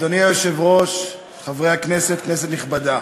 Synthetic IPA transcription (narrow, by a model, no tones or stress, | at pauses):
d̪oniajoʃevʁo̞ʃ | χavʁe̞jhakneset̪̚knes̬et̪niχbada